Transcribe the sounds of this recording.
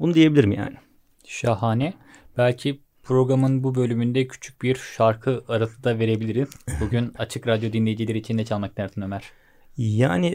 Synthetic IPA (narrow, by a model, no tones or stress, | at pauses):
bunud̪ijebilʲiɾmija̰ːni | ʃaɦaːnɛ | b̥ælʲcʰi | pʰɾo̞ɡɾamɯnbubø̞lʲymynd̪ɛcʰy̥t͡ʃʰy̥c̚biɾʃaɾkʰɯaɾasɯd̪ave̞ɾe̞bilʲiɾiz̥buɟynat͡ʃʰɯkɾad̪jo̞d̪inlʲe̞jid͡ʒilʲeɾiːt͡ʃʰind̪ɛt͡ʃʰalˠmak̚næɾsinø̞mæɾ̥ | ja̰ːni